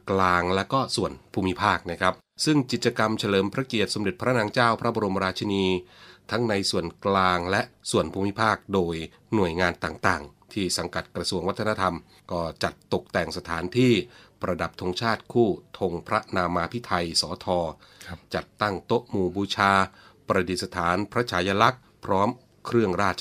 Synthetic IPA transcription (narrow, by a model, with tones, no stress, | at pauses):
klaː˧ŋlɛː˦˥wkɔː˥˩su˨˩ənpʰuː˧mi˦˥pʰaː˥˩k̚na˥˩kʰa˦˥p̚sɯ˥˩ŋt͡ɕi˨˩t̪̚t͡ɕa˧ka˧mt͡ɕʰa˧lɤː˩˦mpʰɾa˦˥ki˨˩ət̪̚so˩˦mde˨˩t̪̚pʰɾa˦˥naː˧ŋt͡ɕaː˥˩wpʰɾa˦˥bɔː˧ɾo˧m˧ɾaː˧t͡ɕʰa˧niː˧t̪ʰa˦˥ŋna˧jsu˨˩ənklaː˧ŋlɛ˦˥ʔsu˨˩ənpʰuː˧mi˦˥pʰaː˥˩k̚doː˧j | nu˨˩əjŋaː˧nt̪aː˨˩ŋt̪aː˨˩ŋt̪ʰiː˥˩sa˩˦ŋka˨˩t̪̚kɾa˧su˧əŋwa˦˥t̪ʰːna˧˥t̪ʰa˧m | kɔː˥˩t͡ɕa˨˩t̪ːo˨˩k̚t̪ɛ˨˩ŋsa˧t̪ʰaː˩˦nt̪ʰiː˥˩pɾa˧da˨˩p̚t̪ʰo˧ŋt͡ɕʰaː˥˩t̪̚kʰuː˥˩t̪ʰo˧ŋpʰɾa˦˥naː˧maː˧pʰi˦˥t̪ʰa˧jsɔː˩˦t̪ʰɔː˧ | t͡ɕa˨˩t̪ːa˥˩ŋt̪o˦˥ʔmuː˧buː˧t͡ɕʰaː˧pɾa˧di˨˩t̪̚sa˧t̪ʰaː˩˦npʰɾa˦˥t͡ɕʰaː˩˥ja˧la˦˥k̚ | pʰɾɔː˦˥m | kʰɾɯ˥˩əŋɾaː˥˩t̪̚t͡ɕ